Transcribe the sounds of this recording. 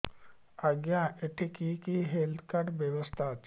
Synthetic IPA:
aɡjãeʈʰikikiɦelt̪ʰkaɾbjeʋəst̪ʰat͡ʃ

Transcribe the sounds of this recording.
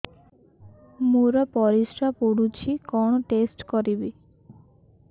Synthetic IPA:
muɾɔpɔɾisɾapoɽut͡ʃʰikɔɳ̃ɔʈesʈkɔɾibi

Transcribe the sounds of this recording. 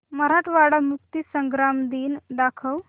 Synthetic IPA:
məɾaʈʰʋaɽamukt̪isəŋɡɾamd̪iːnɖ̪akʰəw

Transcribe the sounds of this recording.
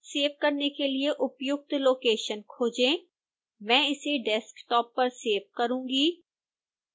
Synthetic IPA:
seːʋkəɾnekelɪeʔʊpjʊk̚t̪loːkeːʃənkʰoːd͡ʒẽː | mɛ̃ːɪseɖɛskʈɔːpːɐɾseːʋkəɾũːɡiː

